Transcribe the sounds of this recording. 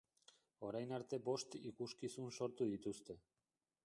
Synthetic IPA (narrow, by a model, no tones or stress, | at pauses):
o̞ɾajnaɾt̪e̞bo̞st̪ikuskisunso̞ɾt̪uðit̪ust̪e̞